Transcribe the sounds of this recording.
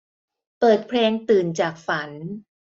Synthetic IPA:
pɤː˨˩t̪̚pʰleː˧ŋt̪ɯː˨˩nt͡ɕaː˨˩k̚fa˩˦n

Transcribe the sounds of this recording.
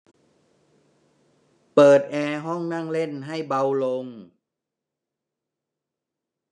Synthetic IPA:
pɤː˨˩t̪̚ʔɛː˧ɦɔ˥˩ŋna˥˩ŋle˥˩nɦa˥˩jba˧wlo˧ŋ

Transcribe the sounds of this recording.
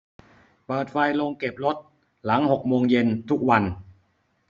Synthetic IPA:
bɤː˨˩t̪̚fa˧jlo˧ŋke˨˩p̚lo˦˥t̪̚ | la˩˦ŋho˨˩k̚moː˧ŋje˧nt̪ʰu˦˥k̚wa˧n

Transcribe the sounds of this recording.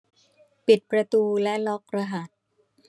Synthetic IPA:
pi˨˩t̪̚pɾa˧t̪uː˧lɛ˦˥lɔ˦˥k̚ɾa˧ɦa˨˩t̪̚

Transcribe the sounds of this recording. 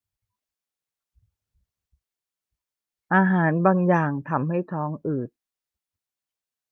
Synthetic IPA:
ʔaː˧ɦaː˩˦nbaː˧ŋjaː˨˩ŋt̪ʰa˧mha˥˩jt̪ʰɔː˦˥ŋʔɯː˨˩t̪̚

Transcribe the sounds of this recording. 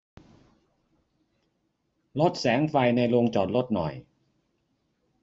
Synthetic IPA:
lo˦˥t̪̚sɛː˩˦ŋfa˧jna˧jlo˧ŋt͡ɕɔː˨˩t̪̚lo˦˥t̪̚nɔ̰˨˩j

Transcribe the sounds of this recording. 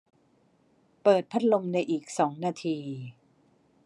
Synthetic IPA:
pɤː˨˩t̪̚pʰa˦˥t̪̚lo˧mna˧jʔiː˨˩k̚sɔː˩˦ŋnaː˧t̪ʰiː˧

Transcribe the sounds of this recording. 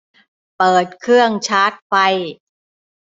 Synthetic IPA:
pɤː˨˩t̪̚kʰɯ˥˩əŋt͡ɕʰaː˦˥t̪̚fa˧j

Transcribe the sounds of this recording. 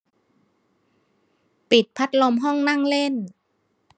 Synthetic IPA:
pi˨˩t̪̚pʰa˦˥t̪̚lo˧mɦɔ˥˩ŋna˥˩ŋle˥˩n

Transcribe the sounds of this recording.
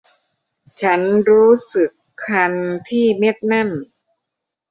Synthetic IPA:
t͡ɕʰa˦˥nɾuː˦˥sɯ˨˩kʰːa˧nt̪ʰiː˥˩me˦˥˩t̪̚na˥˩n

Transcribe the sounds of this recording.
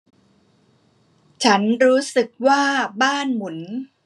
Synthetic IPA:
t͡ɕʰa˦˥nɾuː˦˥sɯ˨˩k̚waː˥˩baː˥˩nmu˩˦n

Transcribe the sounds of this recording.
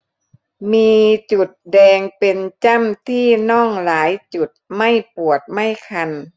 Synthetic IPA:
miː˧t͡ɕu˨˩t̪̚dɛː˧ŋpe˧nt͡ɕa˥˨mt̪ʰiː˥˩nɔː˥˩ŋlaː˨˩˦jt͡ɕu˨˩t̪̚ma˥˩jpu˨˩ət̪̚ma˥˩jkʰa˧n

